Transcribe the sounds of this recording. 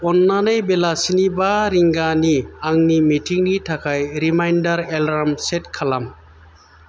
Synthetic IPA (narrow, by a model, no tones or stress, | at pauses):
ɔnːanejbelasinibaɾiŋɡaniaŋnimiʈʰiŋnitʰakʰajɾimajnɖaɾɛlɾamsetkʰalam